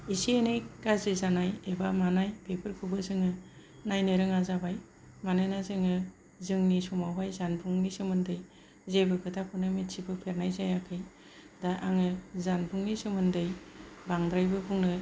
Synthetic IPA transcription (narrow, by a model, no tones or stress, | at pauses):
isienejɡazezanajebamanajpʰepʰɯɾkʰubɯzɯŋɯ | najnɯɾɯŋazabaj | manɯnazɯŋɯ | zɯŋnisumawajzanpʰuŋnisɯmɯndɯj | zebɯkʰɯtʰapʰunɯmitsibɯpʰeɾnajzajakʰɯj | daʔaŋɯzanpʰuŋnisɯmɯndɯjbaŋdɾajbɯbʰuŋnɯ